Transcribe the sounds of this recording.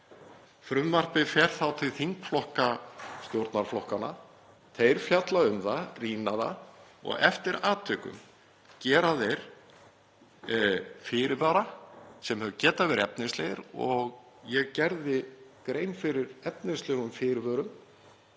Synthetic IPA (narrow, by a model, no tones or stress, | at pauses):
fɾʏmːar̥pɪfɛɾ̥θawt̪ʰɪlθiŋkflɔhkast̪jowɾt̪naɾ̥flɔhkana̰ | t̪ʰejɾ̥fjat̪laʏmθariːnaða̰ɔ̰ɣɛ̰ft̪ɪɾaːt̪ʰʏːkʏ̰m | cɛːɾaðejɾ̥ | fɪːɾɪvœːɾasɛmhœvʏcɛːt̪avɛɾɪɛpnɪstleːɣɪɾɔ̰ɣjɛɣcɛɾðɪkɾeːjnfɪɾɪɾɛp̚nɪslɛːɣʏmfɪɾɪvœːɾʏm